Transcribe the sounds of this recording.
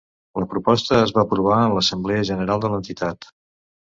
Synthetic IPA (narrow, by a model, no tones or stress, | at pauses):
ləpɾupɔst̪əːzβaəpɾuβ̞aənləsəmbleəʒənəɾalˠd̪ələnt̪it̪at̪